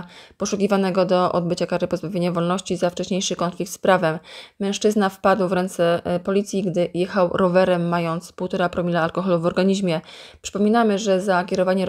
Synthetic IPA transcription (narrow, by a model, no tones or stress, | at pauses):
pɔʂukʲivanɛɡɔd̪ɔʔɔ̰d̪̚bɘt͡ɕakaɾɘpɔzbavʲjeɲavɔlnɔɕt͡ɕizaft͡ʂɛɕɲejʂɘkɔnflʲik̚t̪spɾavɛmːɛ̃w̃ʂt͡ʂɘznafpad̪wvɾɛnt̪sɛpɔlʲit̪sʲjiɡd̪ɘjɛxawɾʔɔvɛɾɛmːajɔnt̪spuwt̪ɔɾapɾɔmʲilaːlkɔxɔluvɔɾɡaɲiʑmʲjɛpʂɘ̥pɔmʲinamɘʐɛzakʲɛɾɔvaɲɛ